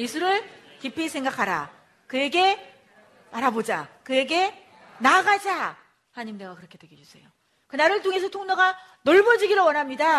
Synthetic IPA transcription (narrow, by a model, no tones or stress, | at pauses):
esʰuɾɯɭ | kipʰisʰe̞ŋɡakʰaɾa̰ | kɯe̞ɡe̞ | aɾabod͡ʑa̰kɯe̞ɡe̞ | naɡad͡ʑa | hanaɲimdeɡakɯɾʌkʰe̞dwe̞ɡʌd͡ʑusʰe̞̰jo | kɯnaɾɯɭt̬ʰoŋe̞s̬ʰʌtʰoŋnʌɡa | noɭbʌd͡ʑiɡiɾowʌnɦamɲida